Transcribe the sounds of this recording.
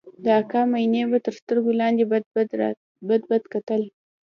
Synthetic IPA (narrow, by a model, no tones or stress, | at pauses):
d̪əakɑmajnebat̪əɾst̪əɾɡolɑnd̪eb̪ | bəd̪̚bad̪kat̪əl